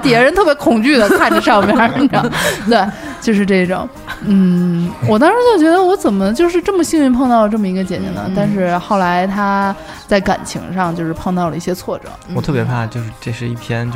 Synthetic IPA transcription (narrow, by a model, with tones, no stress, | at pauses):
t̪jɛ˧˥ɻə˧˥nt̪ʰɤ˥˩pjɛ˧˥kʰʊ˨˩ŋt͡ɕy˥˩d̪ə˩kʰa˥˩nʈ͡ʂə˥ʂɑ˥˩ʊmjɑ˥˩˥ | t̪we˥˩ɪt͡ɕjo˥˧ʊʂ̬ɻ̩˥˧ʈ͡ʂe˥˩ɪi˧˩ʈ͡ʂʊ̰˨˩˦ŋ | n̩˥˩wɔ˨˩t̪̬ɑ˥ŋʂɻ̩˧˥t͡ɕo˥˩ʊt͡ɕɥɛ˧˥d̪ə˧wɔ˧˥t͡sə˨˩nmə˦t͡ɕjo˥˧ʊʂ̬ɻ̩˥˧ʈ͡ʂɤ˥˩mə˩ɕi˥˧ŋy˥˧pʰɑ˥˧ŋt̪ɑ˥˩ʊlə˩ʈ͡ʂɤ˥˩mə˩i˧˥ɡə˧t͡ɕjɛ˨˩t͡ɕjɛ̰˧˥nə̰˧˦t̪a˥˧nʂɻ̩˥˧xɑ˥˩ʊla˧˥ɪt̪ʰa˥ | t͡sa˥˩ɪka̰˨˩nt͡ɕʰḭ˧˥ŋʂɑ˥˧ŋt͡ɕjo˥˧ʊʂɻ̩˥pʰɑ˥˧ŋt̪ɑ˥˩ʊlə˩i˥˩ɕjɛ˥t͡sʰwɔ˥˩ʈ͡ʂɤ̰˨˩˦wt̪ʰɤ˥˩pjɛ˧˥pʰa˥˩t͡ɕjo˥˧ʊʂɻ̩˥˧ʈ͡ʂe˥˧ɪʂɻ̩˥˧ḭ˥˩pʰjɛ˥n˧